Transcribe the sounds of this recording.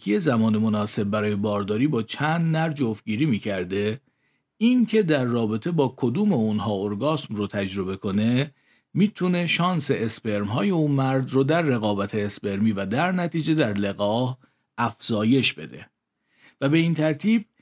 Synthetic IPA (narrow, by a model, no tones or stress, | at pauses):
kʰije̞zæmɒːne̞mo̞nɒːse̞b̚ːæɾɒːje̞bɒːɾd̪ɒːɾiːbɒːt͡ʃʰænd̪næɾd͡ʒofɟiːɾiːmiːcʰæɾd̪e̞ | incʰe̞d̪æɾːɒːbe̞t̪ʰebɒːkʰod̪uːmeunɦɒːoɾɡɒːsmrot̪ʰæd͡ʒɾo̞be̞kʰo̞ne̞ | miːt̪ʰune̞ʃɒːnse̞ʔespe̞ɾmɦɒːje̞uːnmæɾd̪rod̪æɾːe̞ɣɒːbæt̪ʰe̞espe̞ɾmiːvæd̪æɾnæt̪ʰiːd͡ʒe̞d̪æɾle̞ɣɒːh | æfz̥ɒːje̞ʃbe̞̰d̪e̞̰ | væbe̞iːnt̪ʰæɾt̪ʰiːb̚